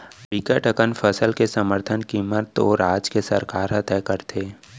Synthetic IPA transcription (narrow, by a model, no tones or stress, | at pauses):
bɪkəʈəkənfʰəsəlkesəməɾt̪ʰənkimət̪ɔːɾaːd͡ʒkesəɾkaːɾɦət̪ɛːkəɾt̪ʰeː